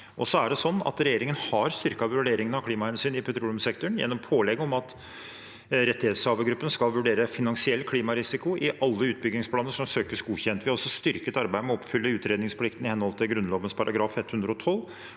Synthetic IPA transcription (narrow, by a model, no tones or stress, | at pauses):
ʔɔsɔæɖɛsɔnːɑ̰t̪ɾɛjeːɾɪŋənhɑɾst̪ʏɾkɑʋɾʊɖeːɾɪŋənɑkʰliːmɑhɛnsyːnɪpʰɛt̪ʰɾuːlʉmsɛkt̪ʊɳjɛ̰nːɔmpʰoːlɛɡɔmɑt̪ | ɾɛt̪ːɪheːt̪sɑːʋəɡɾʉpːənskɑlʋʉɖeːɾəfɪnɑnsɪɛlːkʰliːmɑɾɪsɪkʊʔɪʔɑlːəʉːt̪̚bʏɡ̪ɪŋspʰlɑːnəʂɔmsøːkəsɡuːçɛnt̪ʋɪhɑɾɔsːɔst̪ʏɾkət̪ɑɾbæɪd̪əmɛɔpːfʏlːəʉːt̪ɾeːd̪nɪŋspʰlɪkt̪nɪhɛnhɔlt̪ʰɪlɡɾʉnloːʋənspʰɑɾʔɑɡɾɑːfɛt̪ːhʉnd̪ɾəɔt̪ʰɔlː